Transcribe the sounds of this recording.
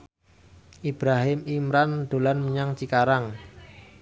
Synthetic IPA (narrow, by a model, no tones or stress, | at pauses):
ʔib̥ɾaɦɪmimɾand̪̥o̤lanməɲaŋt͡ʃikaɾaŋ